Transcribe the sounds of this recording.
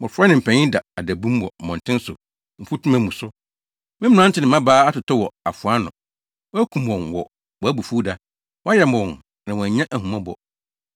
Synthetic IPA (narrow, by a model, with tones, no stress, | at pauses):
mʊ̃˨ɾfɾa˦nɪ̃˨m̩˨pʰɛ̃˨ɲɪ̃˦da˨a˨dæ˨bũ˦mwɔ˨mɔ̃˨n˨tʰɪ̃˦n˦sʊ̰˨ | m̩˨fu˦tʰu˦mæ̃˨mũ˨sʊ˦ | mɪ̃˦m˦˨ã˦n̩˦tʰɪ˦nɪ̃˨mã˦baː˦a˦tʊ˨tʰɔ˦wɔ˨a˨fʊ˨a˦nʊ̰̃˨ | wɔ˦æ˦kʰũ˨m˨wɔ̃˨nwɔ˨ | wɔ˨æ˦bu˨fuː˦da˦ | wa˦jɛ˨m˨ɔ̃˨n | nã˨wɔ˨æ˨ɲã˦ʔæ˨hũ˨mã˦bɔ̰˨